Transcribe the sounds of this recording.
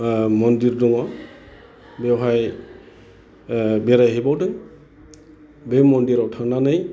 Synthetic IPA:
mɔndiɾdɔŋɔ | bɛɦaj | bɛɾajɦibawdɯj | bɛmɔndiɾawtʰananaj

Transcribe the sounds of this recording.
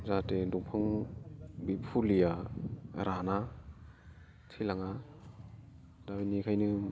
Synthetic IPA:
zatedɔŋpʰɯŋ | bipʰulija | ɾʔana | tʰilaŋa | dabinikʰajnɯ

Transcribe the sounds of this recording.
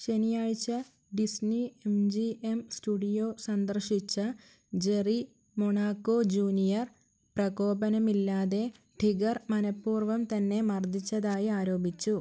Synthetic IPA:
ɕe̞nijaːɻt͡ɕːɐ | ɖisniemd͡ʑiemstuɽijo̞ːsɐnd̪ɐrʂit͡ɕːɐ | d͡ʑe̞ri | moɳaːkːoːd͡ʑuːnijɐr | prɐɣo̞ːbɐnɐmilːaːðe̞ | ʈʰiɡɐrmɐnɐpːuːrʋɐmt̪ɐnːe̞mɐrd̪ʱit͡ɕːɐðaːjiaːɾo̞ːbit͡ɕːu

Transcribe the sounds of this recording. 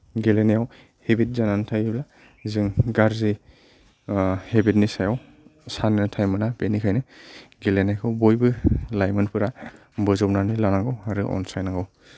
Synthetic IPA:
ɡelenejaw | hebit̚zanantʰajbla | zɯŋɡaɾzi | hebit̚nisajaw | sanɯntʰajmɯnapenikʰajnɯɡelenajkʰɯwbojbɯlajmɯnpʰɯɾa | bɯzɔpnanilanaɡɯwaɾɯʔɔ̰nsajnaɡɔw

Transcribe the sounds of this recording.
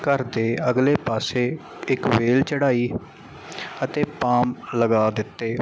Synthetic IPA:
kəɾd̪eːəɡleːpaːseː | ɪkʋeːlt͡ʃəɽaːiː | ət̪eːpaːmləɡaːd̪ɪt̪ːeː

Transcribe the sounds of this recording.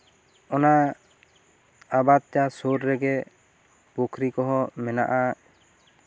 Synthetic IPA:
ɔna | abat̪̚t͡ʃasoɾɾɛɡɛ | pɔkʰɾikɔɦɔmɛna̰ʔa

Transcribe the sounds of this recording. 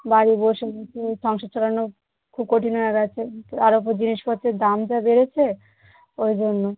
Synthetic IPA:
baɽiboʃeɡet͡ɕʰeʃɔŋʃad̪ʃʰolano | kʰub̚koʈinɔaɾat͡ɕʰeaɾop̬od͡ʑiniʃpɔtːʰed̪amd͡ʑabeɾet͡ɕʰe | ojd͡ʑonːo

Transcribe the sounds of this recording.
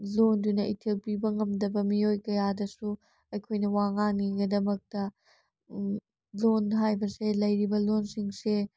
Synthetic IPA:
londunɐitʰelpibɐŋɐmdɐbɐmiojkɐjadɐsu | ɐjkʰojnɐwaŋaŋiɡɐdɐmɐk̚tɐ | lonɦajbɐselɐjɾibɐlonsiŋse

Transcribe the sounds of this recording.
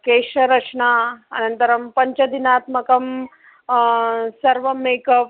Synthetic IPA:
keːʂɐɾɐt͡ʃɳaːɐ̰nɐnt̪ɐɾɐmpɐɲt͡ʃɐd̪inaːt̪mɐkɐm | sɐɾʋɐmeːkɐʋ

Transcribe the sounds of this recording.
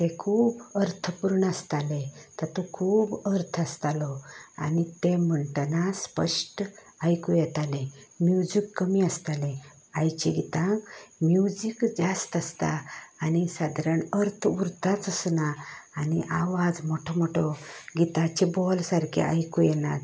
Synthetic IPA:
t̪ekʰuːbəɾt̪ʰəpuɾɳast̪alet̪ət̪ɔkʰuːbəɾt̪ʰəst̪alɔa̰nit̪em̤əɳʈənaspə̰ʂʈ | ajkujɛt̪alẽmjud͡ʑikːəmiəst̪alẽ | ajt͡ɕeɡit̪ãkmjud͡ʑikd͡zast̪əst̪a̰ːnisad̪ʱɾəɳəɾt̪ʰəuɾt̪at͡səsnaːniʔaʋad͡zmɔʈʰɔmɔʈʰɔɡit̪at͡ɕebɔlsaɾkʰḛʔa̰jkujɛnat̪

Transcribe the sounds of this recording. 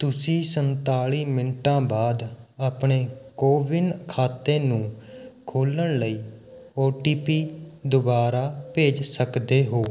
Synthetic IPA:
t̪ʊsĩːsənt̪aːɭiːmɪnʈãːbaːd̪aːpɳeːkoːʋɪnkʰaːt̪eːnũːkʰoːləɳləiːoːʈiːpiːd̪ʊbaːɾaːpeːd͡ʒsəkd̪eːɦoː

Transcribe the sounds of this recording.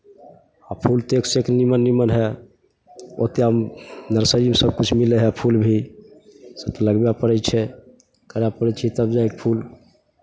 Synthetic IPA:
apʰult̪ekseknimənːimənɦɛ | o̰t̪eɦəmnəɾsəɾimsəb̚kut͡ʃʰmileɦɛpʰulbʱi | səb̚t̪ələɡbjapəɾɛt͡ʃʰɛ | kəɾjapəɾɛt͡ʃʰit̪əbd͡ʒaek̚pʰul

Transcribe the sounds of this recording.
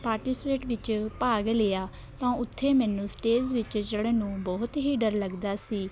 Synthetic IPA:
paːɾʈiːseʈʋɪt͡ʃpaːɡleːaː | t̪ãːʊt̪ʰːeːmɛːnũːsʈeːzʋɪt͡ʃd͡ʒeːɽeːnũːbɔːt̪ɦiːɖəɾləɡd̪aːsiː

